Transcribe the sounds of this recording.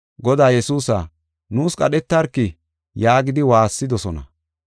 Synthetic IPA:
ɡɔd̪aːjɛsuːsa̰ | nuːskʼɐɗɛt̪ːɐɾkːɪ | jaːɡɪd̪ɪwaːsːɪd̪ɔsɔnɐ̰

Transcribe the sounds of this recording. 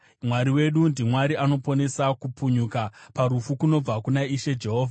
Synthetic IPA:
mwaɾiwe̞ɗundimwaɾiano̞po̞ne̞sakupuɲukapaɾufukuno̞b͡vakunaiʃe̞d͡ʒe̞ɦo̞ːvʱaa

